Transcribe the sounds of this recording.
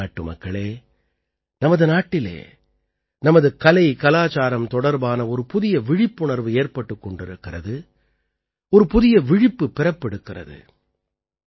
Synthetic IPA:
ʈːɯmɐ̰kːɐɭeː | nɐmɐðɯnaːʈːɪlḛː | nɐmɐðɯkɐlɐɪkɐlaːt͡ʃaːɾɐmt̪ɔɽɐɾbaːnɐɔɾɯpʊðɪjɐʋɪɻɪpːʊɳɐɾʋɯeːrpɐʈːɯkːɔɳɖɪɾɯkːɪrɐðɯ | ɔɾɯpʊðɪjɐʋɪɻɪpːɯpːɪɾɐpːɛɽɯkːɪrɐ̰ðɯ̰

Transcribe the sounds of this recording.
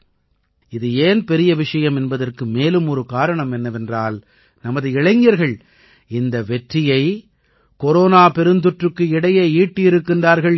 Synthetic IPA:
ɪðɯeːnpɛɾɪjɐʋɪʂɐjɐmɛnbɐðɐrkɯmeːlɯmɔɾɯkaːɾɐɳɐmɛnːɐʋɛndraːl | nɐmɐðɯɪɻɐɪŋɐɾɣɐɭ | ɪnd̪ɐʋɛʈrɪjɐɪ | kɔɾoːnaːpɛɾɯnd̪ɯʈrɯkːɯɪɽɐjeːiːʈːɪɪɾɯkːɪndraːɾɣɐɭ

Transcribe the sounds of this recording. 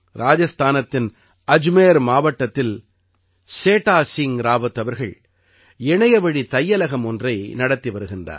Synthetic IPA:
ɾʔaːd͡ʒɐst̪ʰaːnɐt̪ːɪn | ɐd͡ʒmeːɾmaːʋɐʈːɐt̪ːɪl | seːʈːaːsiŋɾaːʋɐt̪ːɐʋɐɾɣɐɭ | ɛɳɐjɐʋɐɽit̪ɐjːɐlɐɣɐmɔndrɐɪnɐɽɐt̪ːiʋɐɾɯɣɪndra̰ː

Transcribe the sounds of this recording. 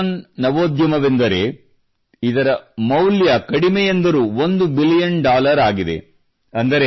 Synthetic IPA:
nnɐʋoːd̪jɐmɐʋend̪ɐɾe̞̰ | id̪ɐɾɐmɐwljɐkɐɽimɛjend̪ɐɾuːond̪ubilijɐnɖaːlɐɾaːɡid̪e̞̰ | ɐnd̪ɐɾe

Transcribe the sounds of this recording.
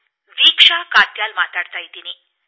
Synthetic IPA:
ʋikʂakat̪jalmat̪aɽt̪ajt̪iniː

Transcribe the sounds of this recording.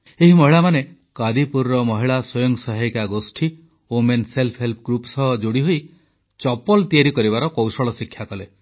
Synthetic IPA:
eɦimɔɦiɭamane | kad̪ipuɾɾɔmɔɦiɭaswɔjɔŋsɔɦajkaɡosʈʰi | omenselpʰɦelpʰɔɡɾupsɔɦɔd͡ʒoɽiɦoj | t͡ʃɔpɔlt̪iaɾikɔɾibaɾɔkɔwsɔɭɔsikʰːjakɔle

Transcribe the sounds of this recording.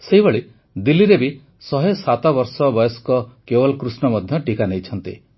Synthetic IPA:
seɦibeɭi | d̪ilːiɾebi | sɔɦesat̪ɔbɔɾsɔbɔjɔskɔkebɔlkɾusnɔmɔd̪ʱjɔʈikanejt͡ʃʰɔnt̪ḭ

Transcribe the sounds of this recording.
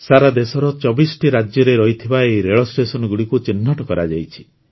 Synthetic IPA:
saɾad̪esɔɾɔt͡ʃɔbisɔ̥ʈiɾad͡ʒjɔɾeɾɔɦit̪ʰibaejɾeɭɔsʈesɔnɔɡuɽikut͡ʃinːɔʈɔkɔɾad͡ʒajt͡ʃʰi̥

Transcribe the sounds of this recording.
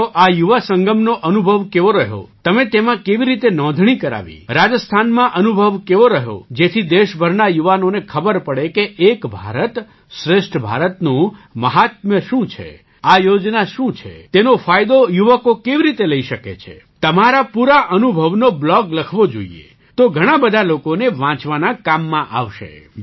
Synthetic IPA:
ʔajuʋasəŋɡəmnoʔənubʱəʋkeʋoɾəɦjo̰t̪əmet̪emãkeʋiɾit̪enɔ̃d̪ʱɳ̃ikəɾa̰ʋḭɾad͡ʒəst̪ʰanmãʔənubʱəʋkeʋoɾəɦjo̰d͡ʒet̪ʰid̪eʃbʱəɾnajuʋanonekʰəbəɾpəɽekeːkbʱa̰ɾət̪ | ʃɾeʃʈʰbʱa̰ɾət̪nũməɦat̪̚mjəʃũt͡ʃʰḛ | ajod͡ʒnaʃũt͡ʃʰḛt̪enofajd̪ojuʋəkokeʋiɾit̪eləiʃəkḛt͡ʃʰḛ | t̪əmaɾapuɾaʔənubʱəʋnoblɔɡləkʰʋod͡ʒo̰ḭḛ | t̪oɡʱəɽ̃abəd̪ʱalokoneʋãt͡ʃʋanakamːãʔaʋʃḛ

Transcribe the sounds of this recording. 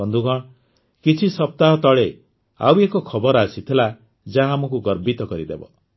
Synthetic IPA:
ɔnd̪uɡɔɽ̃ | kit͡ʃʰisɔp̚t̪aɦɔt̪ɔɭe | a̰wekɔkʰɔbɔɾasit̪ʰila | d͡ʒaɦamɔk̬uɡɔɾbit̪ɔkɔɾid̪ḛbɔ̰

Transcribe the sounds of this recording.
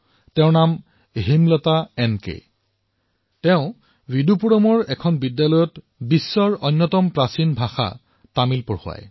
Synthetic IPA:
tɛʊ̃nam | ɦimlɔtaɛnkḛ | tɛʊ̃ | widupuɹɔmɔɹɛkʰɔnbidjalɔjɔt | bisːɔɹɔnːɔtɔmpɹasinbʱaxa̰ | tamilpɔɹhʊa̰j

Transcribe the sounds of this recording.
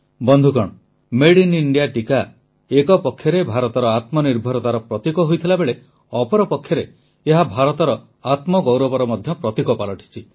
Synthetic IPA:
bɔnd̪ʱukɔɽ̃ɔ | meɽiniɳɖijaʈika | ekɔpɔkʰːjɔɾebʱaɾɔt̪ɔɾɔat̪mɔniɾbʱɔɾɔt̪aɾɔpɾɔt̪ikɔɦojt̪ʰilabeɭe | ɔpɔɾɔpɔkʰːjɔɾeː | ɦabʱaɾɔt̪ɔɾɔ | at̪mɔɡowɾɔbɔɾɔmɔd̪ʱjɔpɾɔt̪ikɔpalɔʈʰi̥t͡ʃʰi

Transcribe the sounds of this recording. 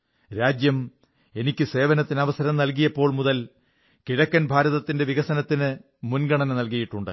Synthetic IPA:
ɾaːd͡ʑjɐm | e̞nikʲːɨse̞ːʋɐnɐt̪ːinɐʋɐsɐɾɐmnɐlkijɐpːo̞ːɭmuðɐl | kiɻɐkːɐnbʱaːɾɐðɐt̪ːinde̞ʋiɣɐsɐnɐt̪ːinɨ | munɡɐɳɐnɐnɐlkɐjiʈːuɳɖɨ̰

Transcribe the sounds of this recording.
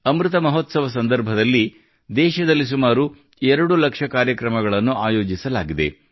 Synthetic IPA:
ɐmɾut̪ɐmɐɦot̪sɐʋɐs̬ɐnd̪ɐɾbʱɐd̪ɐlːi | d̪ɛːʃɐd̪ɐlːisumaːɾu | ɛɾɐɽulɐkʂɐkaːɾjɐkɾɐmɐɡɐɭɐnːuʔaːjoːd͡ʒisɐlaːɡid̪e̞̰

